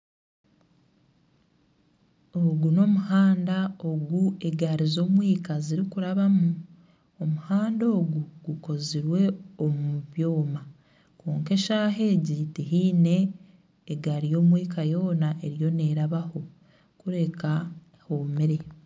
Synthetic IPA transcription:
oɡuno̞muhaːndao̞ɡue̞ɡaɾizo̞ːmwiːkaziɾikuɾaβamu | omuhaːndo̞ːɡuɡuko̞ziɾwe̞omuβjo̞ːma | koːŋke̞ʃaːɦe̞ɟitiɦiːne̞ː | ɡaɾijo̞ːmwiːkajo̞ːnaʔe̞ɾjo̞ne̞ːɾaβaho̞ | kuɾe̞ka | hoːmiɾe̞

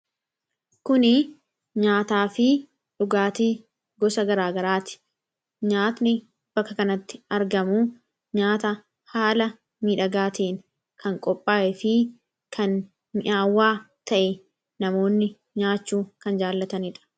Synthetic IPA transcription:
kʊnɪ | ɲaːt̪aːfɪ | ᶑʊɡaːt̪iː | ɡɔsɐɡɐɾaːɡɐɾaːt̪ɪ̥ | ɲaːt̪nɪ | b̥ɐkːɐkɐnɐt̪ːɪ̥ɐɾɡɐmu | ɲaːt̪ɐ | haːlɐ | miːᶑɐɡaːt̪eːŋ | kɐŋkʼɔpʼːaːʔɛfɪ | kʰɐn | mɪʔaːwːaːt̪ɐʔɛ | nɐmo̞ːnːɪ | ɲaːt͡ʃːuːkɐnd͡ʒaːlːɐt̪ɐnɪᶑɐ̥

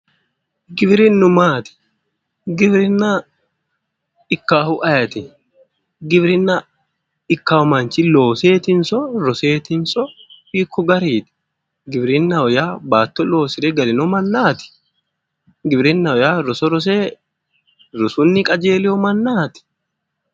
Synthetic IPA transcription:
ɡɪbɾɪnːʊmaːt̪ɪ̥ | ɡɪbɾɪnːɐ | ɪkːaːhʊʔɐjɐt̪ɪ | ɡɪbɾɪnːɐ | ɪkːaːɔmɐnt͡ʃɪlo̞ːseːt̪ɪnsɔɾɔseːt̪ɪnsɔfiːkʰːɔɡɐɾiːt̪ɪ̥ | ɡɪbɾɪnːɐɔjaːbaːt̪ːɔlo̞ːsɪɾɛɡɐlɪnɔmɐnːaːt̪ɪ̥ | ɡɪbɾɪnːɐɔjaːɾɔsɔɾɔs̬eː | ɾʊsʊnːɪkʼɐd͡ʒeːlɪɔmɐnːaːt̪ɪ̥

